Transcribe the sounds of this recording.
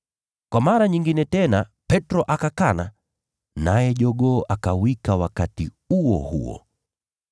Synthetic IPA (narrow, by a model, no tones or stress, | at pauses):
kwamaɾaɲiŋɡinɛtɛnapɛtɾɔʔakakana | najɛʄɔɠɔʔakawikawakati | uɔ̰hṵɔ̰